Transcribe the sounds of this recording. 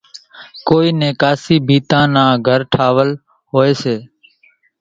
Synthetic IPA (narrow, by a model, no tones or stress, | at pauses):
koːiːnẽːkaːsiːbʱiːt̪ãːnãːɡʱəɾʈʰaːʋəl | ɦoːeːseː